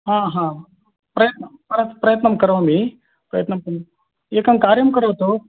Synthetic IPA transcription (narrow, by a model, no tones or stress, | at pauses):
ɦãːɦãː | pɾɐjɐt̪nɐmpɾɐpɾɐjɐt̪nɐmkɐɾɐʋami | pɾɐjɐt̪nɐmkɐ | eːkɐmkaːɾjɐmkɐɾoːt̪u